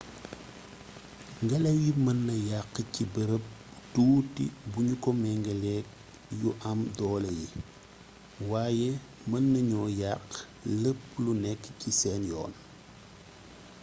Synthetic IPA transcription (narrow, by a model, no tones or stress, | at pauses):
ŋɡɐlɛwjimɐnːɐjaqːcibəɾəp̚tuːtḭbuɲukɔmɛŋɡɐlɛːk̚ | juʔɐmdɔːlɐji | waːjɛ | mɐnːɐɲɔːjaqː | ləpːlunɛkːcisɛːnjɔ̰ːn